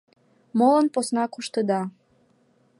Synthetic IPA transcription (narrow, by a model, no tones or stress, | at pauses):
molənposnɑkuʃt̪əd̪ɑ